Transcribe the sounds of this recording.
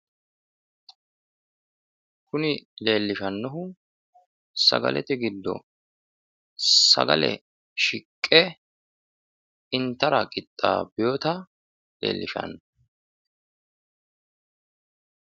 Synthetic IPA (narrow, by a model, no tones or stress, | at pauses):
kʊnɪle̞ːlːɪʃɐnːɔɦʊ | sɐ̰ɡɐ̰lʔɛ̰t̪ɪɡɪd̪ːɔ̰ | sɐ̰ɡɐ̰lɛ̰ | ʃɪkʼːɛ | ɪnt̪ːɐɾɐkʼɪt̪ʼːa̰ːbɪjoːt̪ɐ | le̞̰ːlːɪʃɐ̰nːɔ